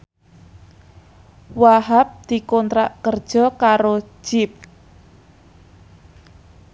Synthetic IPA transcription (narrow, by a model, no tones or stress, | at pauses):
waɦap̚d̪̥i̤kɔnt̪ɾaʔkərd̥ʒ̥ɔ̤kaɾo̥ʒ̥ɪp̚